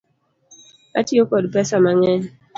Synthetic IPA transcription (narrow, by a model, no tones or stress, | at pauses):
a̰tiokɔdpɛsamaŋɛ